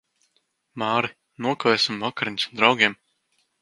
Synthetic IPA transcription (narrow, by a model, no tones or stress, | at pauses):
maːɾi | nuɔkavɛːsʲimːɔkaɾiɲʲsd̪ɾawɡʲiɛm